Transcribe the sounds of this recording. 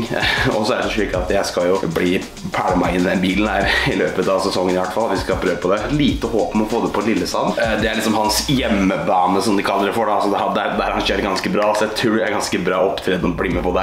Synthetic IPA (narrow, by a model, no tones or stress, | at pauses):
ɔ̰sɔæɾɖɛsɔʃyːkːɑt̪jæɪskɑljʊbliː | pʰæːɽəmɑɪɪnd̪ɛnbiːlənh̪æːɾɪløːpət̪ɑʋsɛsɔŋːənɪʋæʈːfɑlːʋɪskɑpʰɾøːʋəpʰɔd̪ɛt̪liːt̪əhoːpmɛɔfoːd̪ɛpʰɔɛnɪlːəst̪ɑd̪d̪ɛæɭɪksɔmhɑnsjɛmːəbɑːnəsɔmd̪ɪkʰɑlːəɾəfɔɖɑɑsɔd̪ɛhɑd̪æɾd̪æɾhɑnɕøːɾəɾɡɑnskəbɾɑːsɔæɪt̪ʰɾʉːææɾɡɑnskəbɾɑːɔpːt̪ʰɾɛd̪nɔbliːmɛpʰɔd̪ɛ